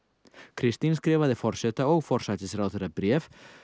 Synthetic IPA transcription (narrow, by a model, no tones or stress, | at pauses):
kɾist̪inskɾeβaðefoɾset̪aowfɔɾsat͡ʃesɾawt̪eɾapɾief